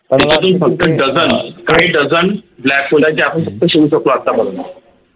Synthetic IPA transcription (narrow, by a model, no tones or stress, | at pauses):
t̪it͡ɕat̪uːnfək̚t̪əɖəd͡zənkaɦiːɖəd͡zənblækulad͡ʑeapəɳfək̚t̪əɕeɭuːsəkloat̪ːabəd̪na̰